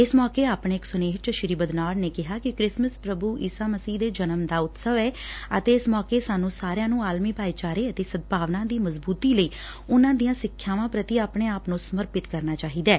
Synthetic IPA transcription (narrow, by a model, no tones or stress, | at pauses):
ɪsmɔːkeːaːpɳeːksʊneːɦt͡ʃəʃɪɾiːbəd̪naːɽneːkɪɦaːkɪkɾɪsməspɾəbuːʔḭːsaːməsiːd̪eːd͡ʒənəmd̪aːʊt̪səʋɛːət̪eːɪsmɔːkeːsaːnũːsaːɾejãːnũːaːlmiːpaːiːt͡ʃaːɾeːət̪eːsəd̪̚paːʋnãːd̪iːməzbuːt̪iːləiː | ʊnãːd̪ijãːsɪkʰːjaːʋãːpɾət̪iːaːpɳ̃eːaːpnũːsəməɾpɪt̪kəɾnaːt͡ʃaːɦiːd̪ɛː